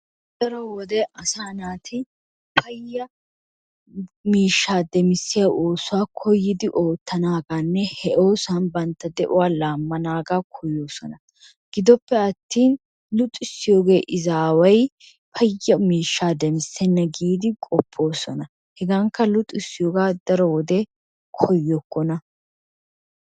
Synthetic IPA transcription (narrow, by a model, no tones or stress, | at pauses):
d̪ɐɾɔwɔd̪ɛɐsaːnaːt̪ʰɪ | pʰɐjːɐ | miːʃːaːd̪ɛmɪsːɪjaʔoːsʊwaːkʰɔjːɪd̪ɪʔo̞ːt̪ːɐnaːɡaːnːɛhɛʔo̞ːsɐnbɐnt̪ːɐd̪ɛʔʊ̰waːlaːmːɐnaːɡaːkʰɔjo̞ːsɔnɐ | ɡ̥ɪd̪ɔpːɛɐt̪ːiːn | lʊt̪ʼɪsːɪjo̞ːɡe̞ːʔɪzaːwɐj | pʰɐjːɐmiːʃːaːd̪ɛmɪsːɛnːɐɡiːd̪ɪkʼɔpʰːo̞ːsɔnɐ | hɛɡaŋkːɐlʊt̪ʼːɪsːɪjoːɡaːd̪̥ɐɾɔwɔd̪ɛ | kʰɔjːɔkːɔnɐ